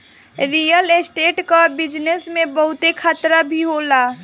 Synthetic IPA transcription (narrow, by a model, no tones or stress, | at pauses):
ɾijəlesʈeːʈkabɪd͡ʒnesmẽbəɦʊt̪ekʰat̪ɾabʱiɦola